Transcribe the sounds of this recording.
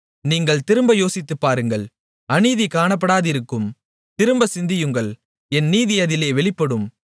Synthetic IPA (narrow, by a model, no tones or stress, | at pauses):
niːŋɡɐɭt̪ɪɾɯmbɐjoːsɪt̪ːɯpːaːɾɯŋɡɐɭ | ɐniːðikaːɳɐp̬ːɐɽaːðɪɾɯkːɯm | t̪ɪɾɯmbɐsɪnd̪ɪjɯŋɡɐɭ | ɛnːiːðɪjɐðɪleːʋɛɭɪpːɐɽɯm